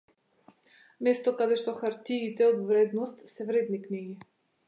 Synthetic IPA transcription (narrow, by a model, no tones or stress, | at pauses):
mɛst̪ɔkad̪ɛʃt̪ɔxaɾt̪iːt̪ɛɔd̪vɾɛd̪nɔst̪sɛvɾɛd̪nikniɡi